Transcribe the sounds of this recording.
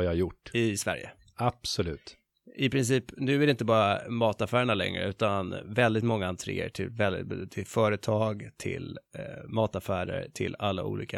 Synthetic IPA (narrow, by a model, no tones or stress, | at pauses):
jɑjʊʈːɪsvæ̰ɾjə̰ | apsɔlʉ̟ːt̪ | ɪpʰɾɪns̬iːpnʉ̟ːæɾɪɪnt̪̬əbɑːɾamɑːt̪afæːɾəɳalɛ̰ŋɾə̰ʉ̟ːt̪anvɛld̪ɪt̪mɔŋːaɛnt̪ʰɾɪ̰ːə̰ʈʰɪlvɛld̪ɪt̪ʰɪlfœːɾət̪ʰɑːɡt̪ʰɪlmɑːt̪afæːɾə̰ɾʈʰɪlːalːa̰ʔṵːlḭːka